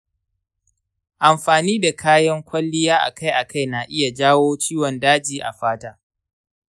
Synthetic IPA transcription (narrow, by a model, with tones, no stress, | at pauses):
ʔa˨mɸaː˨niː˦da˨kʰaː˦jɐ˦ŋkʷʰɐ˦lːɪ˦jaː˦ʔa̰˨kʰa˦jʔa˨kʰa˦˨jna˨ʔɪ˦ja˨d͡ʒaː˦woː˦t͡ʃiː˦wɔ˨ndaː˦d͡ʒiː˨ʔa̰˨ɸaː˦taː˦